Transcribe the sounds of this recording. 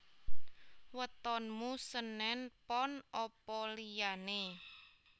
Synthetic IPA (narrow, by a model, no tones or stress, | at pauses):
wət̪ɔnmusənɛnpɔnɔpɔlijane